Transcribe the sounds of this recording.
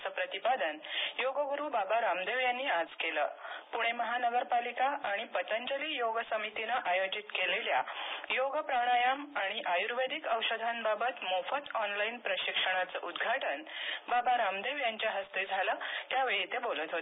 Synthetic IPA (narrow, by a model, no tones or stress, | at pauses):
səpɾət̪ipad̪ənjoɡəɡuɾuːbabaɾamd̪eʋjanːiːad͡zkelə̰ːpuɽ̃eməɦanəɡəɾpalikaʔaɽ̃ipət̪əɲd͡ʑəliːjoɡsəmit̪inaʔajod͡ʑit̪keleljajoɡəpɾəɽ̃ajamaɽ̃iʔajuɾʋed̪ʱikəwɕəd̪ʱanbabət̪mofət̪ɔnlainpɾəɕikʂəɽ̃at͡səʔud̪ɡʱaʈənbabaɾamd̪eʋjaɲt͡ɕjaɦəst̪ed͡zʱaləːt̪jaʋeɭit̪ebolət̪ɦot̪